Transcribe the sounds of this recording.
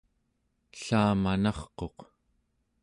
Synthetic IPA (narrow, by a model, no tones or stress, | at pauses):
ɬaːmanɑχqo̞q